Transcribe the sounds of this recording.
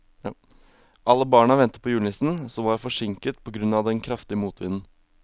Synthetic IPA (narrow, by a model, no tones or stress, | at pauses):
ʔɑlːəbɑːɳɑʋɛnt̪ə̥pʰɔjʉːnɪsn̩sɔʋɑɾfɔʂɪŋkət̪pʰɔɡɾʉnɑʋd̪ɛnkʰɾɑft̪ɪəmuːt̪ʰʋɪnn̩